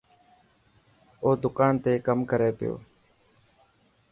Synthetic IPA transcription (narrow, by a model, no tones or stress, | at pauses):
oːd̪ʊkaːnt̪eːkəmkəɾeːpɪjo̰ː